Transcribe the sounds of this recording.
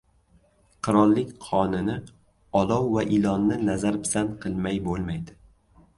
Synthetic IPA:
qʰɨɾɒlˠːɪkʲqʰɒnɪnɪ | ɒlɒwvaʔɪlɒnːɪnazaɾpʰɪ̥sanqʰɨlˠmajbolˠmajd̪ɪ

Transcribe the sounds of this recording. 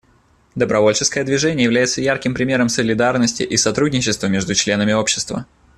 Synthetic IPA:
d̪əbɾɐvo̞lʲt͡ɕɪskəjəd̪vʲɪʐɛnʲɪjəjɪvlʲæjɪt̪səjarkʲɪmpɾʲɪmʲe̞ɾəmsəlʲɪd̪arnəsʲtʲɪ̰ʔisɐt̪ɾudʲnʲɪt͡ɕːɪst̪vəmʲe̞ʐd̪ʊt͡ɕlʲe̞nəmʲɪo̞pɕːɪ̥st̪və̰

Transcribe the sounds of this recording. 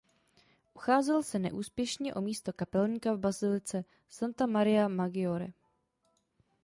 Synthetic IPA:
ʔuxaːzɛlsɛnɛ̰ʔuːspjɛʃɲɛʔo̞miːst̪o̞kapɛlɲkavbazɪlɪt͡sɛ | sant̪amaɾɪjamaɡɪoɾɛ

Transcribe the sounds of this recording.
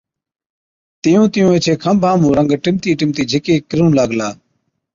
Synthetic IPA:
t̪ɪjũːt̪ɪjũːeːt͡ʃʰeːkʰəmbʱãːmũːɾə̃ŋɡʈɪmt̪iːʈɪmt̪iːd͡ʒʱɪkeːkɪɾũːlaːɡlaː

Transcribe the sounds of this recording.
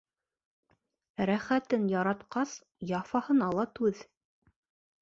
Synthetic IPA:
ɾæχæt̪ɘnjɑɾɑt̪qɑs | jɑfɑhɤ̆nɑlˠɑt̪ʉð

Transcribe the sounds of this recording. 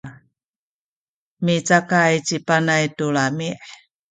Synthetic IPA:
mit͡sakajt͡ɕipanajtulamiʔ

